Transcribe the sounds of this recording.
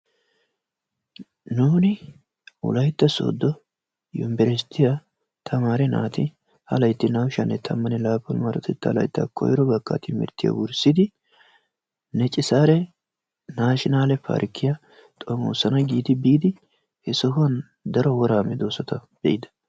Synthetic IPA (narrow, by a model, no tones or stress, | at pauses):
nuːnɪ | ʊ̰lɐjt̪ːɐso̰ːd̪ːɔ | jɔ̰mbɛɾɛst̪ːɪja | t̪ʰɐmaːɾɛna̰ːt̪ɪ | hɐlɐjt̪ːɪnɐwʃɐnːɛt̪ʰɐmːɐnɪlaːpːɔlmɐɾɔt̪ʰɛt̪ːɐlɐ̰jt̪ːɐ̰kʰɔ̰jɾɔbɐkːɐ̰t̪ɪmɪ̰ɾt̪ːɪjɐ̰wʊɾsɪd̪ɪ | nɛt͡ʃʼɪsaːɾɛ | naːʃɪnaːlɛpa̰ːɾkːɪjɐ | t̪ʼɔmo̰ːsɐnɐɡiːd̪ɪbiːd̪ɪ | hɛsɔhʊɐn | d̪ɐɾɔwɔɾaːmɛd̪oːsɔt̪ɐb̥ɛʔɪd̪ɐ̥